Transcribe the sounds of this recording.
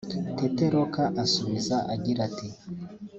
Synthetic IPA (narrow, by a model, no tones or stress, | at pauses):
teteɾokaʔasuβizaʔaɟiɾati